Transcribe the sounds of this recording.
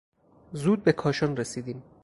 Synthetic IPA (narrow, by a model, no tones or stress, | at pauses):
zuːd̪̚be̞kʰɒːʃɒnresiːd̪iːm